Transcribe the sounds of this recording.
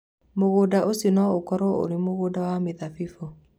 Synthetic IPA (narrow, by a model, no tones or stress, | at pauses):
moɣodaʔosinɔokɔɾɔo̰ɾemoɣodawameðafifɔ